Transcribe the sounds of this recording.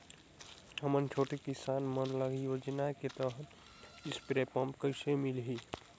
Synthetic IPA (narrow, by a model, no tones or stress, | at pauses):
ɦəmənt͡ʃʰoːʈikisaːnmənləɡijod͡ʒənaket̪əɦt̪ | ɪspɾepə̃mpkəɪsemilɦi